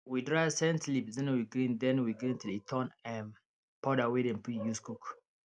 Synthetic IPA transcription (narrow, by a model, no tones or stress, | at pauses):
widɹavsɛ̃ntlipdɛ̃nwiɡɾĩndɛ̃nwiɡɾĩntilitʰɔ̃nɛ̃n | pʰɔdawedɛ̃npujuskuk